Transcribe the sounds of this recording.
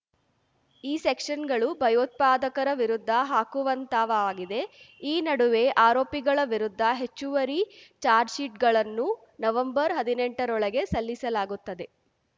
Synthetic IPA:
iːsekʂɐnɡɐɭubʱɐjoːt̪̚paːd̪ɐkɐɾɐʋiɾud̪ʱːɐɦaːkuʋɐnt̪aːʋaːɡid̪e̞ | iːnɐɽuʋe̞ʔaːɾoːpiɡɐɭɐʋiɾud̪ʱːɐɦe̞t͡ʃːuʋɐɾit͡ʃaːɾd͡ʒsiʈɡɐɭɐnːu | nɐʋɐmbɐɾɦɐd̪ine̞ɳʈɐɾɔɭɐɡe̞sɐlːisɐlaːɡut̪ːɐd̪e̞

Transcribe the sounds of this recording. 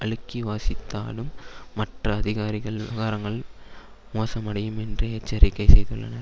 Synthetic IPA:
ɐɭɯkːiʋaːsɪt̪ːa̰ːlɯmːɐʈrɐːðɪɣaːɾɪɣɐɭʋɐɣaːɾɐŋɡɐɭ | moːsɐmɐɽɐjɯmɛndrɯeːt͡ʃːɐɾɪkːɐɪsɛjðɯ̰ɭːɐ̰nɐɾ

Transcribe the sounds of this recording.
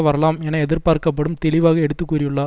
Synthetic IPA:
ʋɐɾɐlaːmɛnːɐɛðɪɾpaːɾkɐp̬ːɐɽɯmt̪ɛɭɪʋaːɣɐɛɽɯt̪ːɯkːuːrɪjɯɭːaː

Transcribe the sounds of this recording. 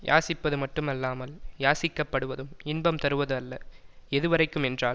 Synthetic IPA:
ja̰ːsɪpːɐðɯmɐʈːɯmɐlːaːmɐljaːsɪkːɐpːɐɽɯʋɐðɯmɪnbɐmt̪ɐɾɯʋɐðɯɐlːɐɛðɯʋɐɾɐɪkːɯmɛndraːl

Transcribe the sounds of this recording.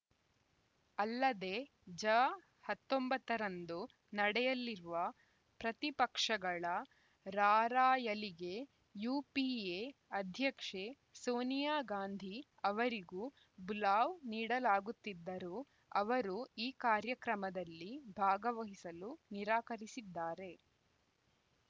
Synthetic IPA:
ɐlːɐd̪e̞ː | d͡ʒɐː | hɐt̪ːombɐt̪ːɐɾɐnd̪u | nɐɽɛjɐlːiɾuʋɐ | pɾɐt̪ipɐkʂɐɡɐɭɐ | ɾaːɾaːjɐliɡe̞ | juːpieɐd̪ʱjɐkʂe | soːnijaːɡaːnd̪ʱi | ɐʋɐɾiɡuː | bulaːʋniːɽɐlaːɡut̪ːid̪ːɐɾu | ɐʋɐɾuiːkaːɾjɐkɾɐmɐd̪ɐlːibʱaːɡɐʋɐɦisɐluniɾaːkɐɾisid̪ːaːɾe̞

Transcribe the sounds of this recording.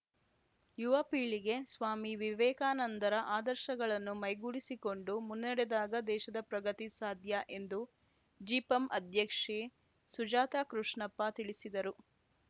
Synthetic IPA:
juʋɐpiːɭiɡe̞sʋaːmiʋiʋɛːkaːnɐnt̪ɐɾɐʔaːd̪ɐɾʃɐɡɐɭɐnːumɐjɡuːɭisiko̞ɳɖumunːɛɽɛd̪aːɡɐd̪ɛːʃɐd̪ɐpɾɐɡɐt̪isaːd̪ʱjɐʔe̞nd̪u | d͡ʒiːpɐmʔɐd̪ʱjɐkʂe | sud͡ʒaːt̪aːkɾuʂɳɐpːɐt̪iɭisid̪ɐɾu

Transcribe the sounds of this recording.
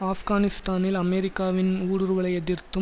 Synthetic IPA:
aːfɡaːnɪst̪aːnɪlɐmɛːɾɪkːaːʋɪnuːɽɯɾʋɐɭɐɪɛðɪrt̪ːɯ

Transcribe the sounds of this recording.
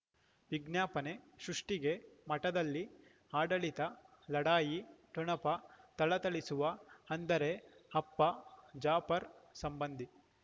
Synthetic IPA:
ʋiɡnjaːpɐneʃɾuʂʈiɡe̞mɐʈɐd̪ɐlːi | aːɖɐɭit̪ɐ | lɐɽaːjiʈuɳɐpɐt̪ɐɭɐt̪ɐɭisuʋɐɐnd̪ɐɾe̞ɐpːɐd͡ʒaːpɐɾsɐmbɐnd̪ʱi

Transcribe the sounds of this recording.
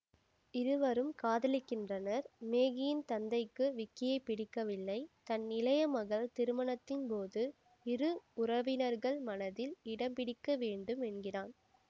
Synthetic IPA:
ɪɾɯʋɐɾɯmkaːðɐlɪkːɪndrɐnɐɾmeːɣɪjɪnt̪ɐnd̪ɐɪkːɯʋɪkːɪjɐɪpːɪɽɪkːɐʋɪlːɐɪt̪ɐnːɪlɐjɐmɐɣɐɭt̪ɪɾɯmɐɳɐt̪ːɪnpoːðɯ | ɪɾɯʊrɐʋɪnɐɾɣɐɭmɐnɐðɪlɪɽɐmpɪɽɪkːɐʋeːɳɖɯmɛnɡɪraːn

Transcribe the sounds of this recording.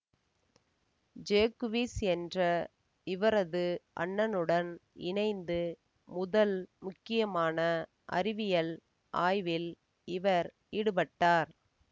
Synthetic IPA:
d͡ʒeːkʋiːsɛndrɐ | ɪʋɐɾɐðɯʔɐ̰ɳːɐnɯɽɐnɪ̰ɳɐɪnd̪ɯ | mʊðɐlmʊkːɪjɐmaːnɐ | ʔɐ̰rɪʋɪjɐɭ | ʔa̰ːjʋɪl | ɪʋɐɾ | iːɽɯpɐʈːaːɾ

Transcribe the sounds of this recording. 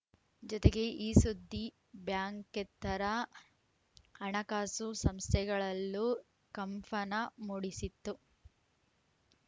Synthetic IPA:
d͡ʒɔt̪eɡe̞ʔiːsud̪ʱːi | bjaːŋket̪ːɐɾɐ | ɐɳɐkaːsusɐmst̪ʰɛɡɐɭɐlːu | kɐmfɐnɐmuːɽisit̪ːu

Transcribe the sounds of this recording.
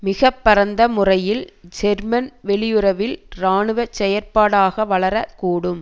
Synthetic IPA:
mɪɣɐpːɐɾɐnd̪ɐmʊrɐjɪld͡ʒɛɾmɐnʋɛɭɪjɯɾɐʋɪlɾaːɳɯʋɐt͡ʃːɛjɐɾpaːɽaːɣɐʋɐɭɐɾɐkuːɽɯm

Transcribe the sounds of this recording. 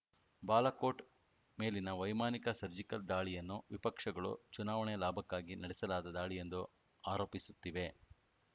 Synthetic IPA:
baːlɐko̞ːʈ | me̞ːlinɐʋɐjmaːnikɐsɐɾd͡ʒikɐld̪aːɭijɐnːuʋipɐkʂɐɡɐɭṵt͡ʃunaːʋɐɳɛlaːbʱɐkːaːɡinɐɽɛsɐlaːd̪ɐd̪aːɭije̞nd̪u | aːɾo̞ːpisut̪ːiʋe̞

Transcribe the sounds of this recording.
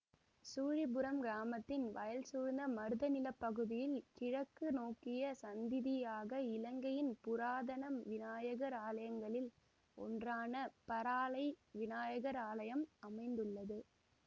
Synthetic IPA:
suːɻɪbʊɾɐmɡɾaːmɐt̪ːɪnʋɐjɐlsuːɾnd̪ɐmɐɾɯðɐnɪlɐpːɐɣɯðɪjɪlkɪɻɐkːɯnoːkɪjɐsɐnd̪ɪðɪjaːɣɐɪlɐŋɡɐjɪnpʊɾaːðɐnɐmʋɪnaːjɐɣɐɾaːlɐjɐŋɡɐɭɪl | ɔ̰ndraːnɐpɐɾaːlɐɪʋɪnaːjɐɣɐɾaːlɐjɐmɐmɐɪnd̪ɯɭːɐðɯ

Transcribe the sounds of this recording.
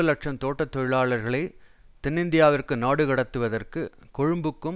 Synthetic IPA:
ɐlɐʈ̚ʂɐmt̪oːʈːɐt̪ːɔɻɪɭaːɭɐɾɣɐɭɐɪ | t̪ɪnːɪnd̪ɪjaːʋɪrkɯnaːɽɯɣɐɽɐt̪ːɯʋɐðɐrkɯkɔɻɯmbɯkːɯm

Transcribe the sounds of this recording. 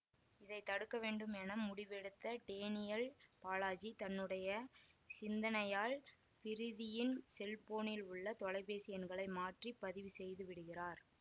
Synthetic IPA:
ɪðɐɪt̪ːɐɽɯkːɐʋeːɳɖɯmɛnɐmːʊɽɪʋɛɽɯt̪ːɐʈeːnɪjɐlpaːlaːd͡ʒit̪ɐnːɯɽɐjɐsɪnd̪ɐnɐjaːɭ | pɪɾɪðɪjɪnsɛlpoːnɪlʊɭːɐt̪ɔlɐɪpeːsɪjɐnɡɐɭɐɪmaːʈripːɐðɪʋɯsɛjðɯʋɪɽɯɣɪraːɾ

